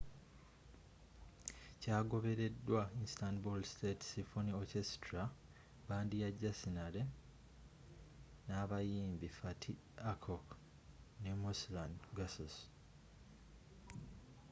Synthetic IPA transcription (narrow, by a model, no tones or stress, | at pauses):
caːɡo̞βe̞ɾe̞dːwaistandbolstetsifoniocestɾa | βaːndijaɟasinale̞ | naːβajiːmbifatʰi | akʰok | nemuslandɡasos